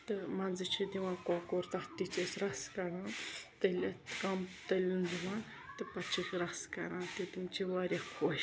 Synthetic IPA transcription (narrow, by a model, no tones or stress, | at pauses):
t̪ɨmɐnzɨt͡ʃʰid̪iʋãːkoːkoɾt̪ɐht̪it͡ʃesɾɐskɐɾãːt̪ɐlʲɐt̪kɐmt̪ɐlʲund̪iʋãː | t̪ɨpɐt͡ʃʰikɾɐskɐ̰ɾãːt̪it̪imt͡ʃʰiʋaːɾʲakʰoːʃ